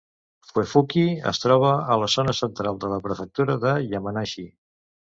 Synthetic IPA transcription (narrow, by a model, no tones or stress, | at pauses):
fwefukiə̰st̪ɾɔβ̞əələzonəsənt̪ɾalˠd̪ələpɾəfək̚t̪uɾəðəʎəmənaʃi